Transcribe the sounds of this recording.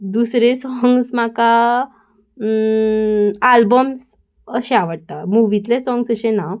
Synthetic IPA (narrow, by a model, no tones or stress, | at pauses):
d̪usɾesɔŋɡsmaka | albəms | əɕẽaʋəɽ̚t̪amuʋit̪lesɔ̃ŋɡsəɕẽna